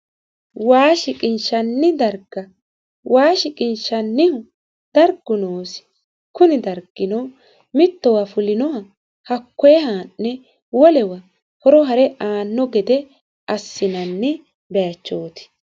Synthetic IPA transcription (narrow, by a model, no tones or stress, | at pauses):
waːʃɪkʼɪnʃɐnːɪd̪ɐɾɡɐ | waːʃɪkʼɪnʃɐnːɪhʊ | d̪̥ɐɾɡːʊnoːsɪ̥ | kʊnɪd̪ɐɾɡ̥ɪnɔ | mɪt̪ːɔwɐfʊlɪnɔhɐ | hɐkːɔjɛhaːnːɛ | wɔlɛwɐ | hɔɾɔɦɐɾɛʔaːnːɔɡɛd̪ɛ | ʔɐsːɪnɐnːɪ | bɛjɐt͡ʃːoːt̪ɪ̥